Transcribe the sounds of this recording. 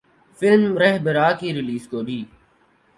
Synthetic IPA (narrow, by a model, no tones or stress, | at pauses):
fɪlmmɾɛɦbəɾaːkiːɾɪliːskoːɖiː